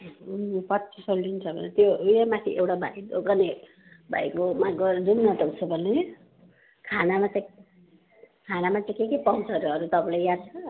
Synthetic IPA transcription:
pʌtsʰisʌlːint͡sʰʌbʱʌ̰net̪jojamat̪ʰiʔewʈabʱa̰jd̪oɡʌne | bʱa̰jkomaɡʌɾumnʌt̪ʌwt͡sʰʌbʱʌne | kʰanamat͡saj̃ | kʰanamat͡saj̃kekʌpʌũt͡sʰʌɾuʌɾut̪ʌpãlajjad̪̚t͡sʰʌ

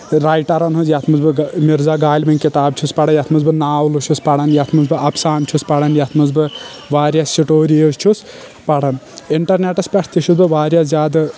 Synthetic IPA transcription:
ɾaːjʈɐɾɐnɦozjɐt̪ʰmɨzbɨɡmiɾzaːɡaːlʲmɐnʲkit̪aːb̚t͡ʃʰuspɐɽɐjɐt̪ʰmɨzbɨnaːwluʃʰuspɐɽɐnjɐt̪ʰmɨzbɨɐpsaːnt͡ʃʰuspɐɽɐnjɐt̪ʰmɨzbɨ | ʋaːɾjasʃiʈoːɾijozt͡ʃʰus | pɐɽɐn | iɳʈɐɾneʈɐspʲɐʈʰt̪ʰiʃʰusbɨʋaːɾjaːzjaːd̪ɨ

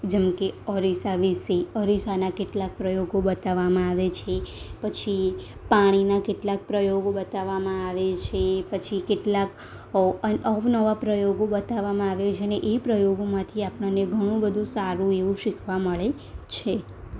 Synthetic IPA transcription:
d͡ʒɛmkeəɾisaʋiseəɾisanakeʈlak̚pɾəjoɡobət̪aʋamãaʋet͡ʃʰepət͡ʃʰi | paɽ̃inakeʈlak̚pɾəjoɡobət̪aʋamãaʋet͡ʃʰepət͡ʃʰikeʈlak | ʔəfnəʋapɾəjoɡobət̪aʋamãaʋet͡ʃʰeneʔepɾəjoɡomãt̪ʰiapɳaneɡʱəɽ̃ũbəd̪ʱũsaɾũeʋũʃɪkʰʋãməɭe | t͡ʃʰe

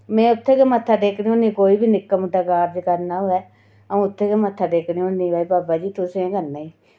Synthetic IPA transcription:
mɛ̃ːʊt̪ʰːeːkemət̪ʰːaːɖeːkniːoːnĩːkoːiːbiːnɪkːəmʊɖaːkaːɾd͡ʒkəɾnaːɦoːɛː | əũːʊt̪ʰːeːkemət̪ʰːaːɖeːkniːoːnĩːʋaːipaːbaːd͡ʒiːt̪ʊsẽẽːkənaːiː

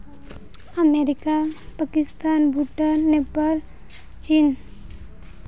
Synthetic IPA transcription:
əmeɾikapəkɪst̪anbʱuʈənepəl | t͡ʃin

